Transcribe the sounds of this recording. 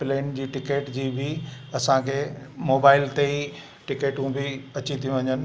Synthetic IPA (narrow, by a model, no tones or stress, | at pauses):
pleːnd͡ʑiːʈɪkeːʈd͡ʑiːbʱɪ | ɐsãkʰeːmoːbaːɪlt̪ei | ʈɪkeːʈũbʱɪɐt͡ɕit̪ʰijũʋɐ̃ɲd͡ʑən̆